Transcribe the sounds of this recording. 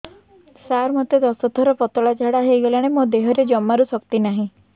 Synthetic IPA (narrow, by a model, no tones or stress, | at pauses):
saɾmɔt̪ed̪ɔsɔt̪ʰɔɾɔpɔt̪ɔɭat͡ʃʰaɽaɦejɡɔlaɽ̃emod̪eɦɔɾed͡ʒɔmːaɾusɔkt̪inaɦĩ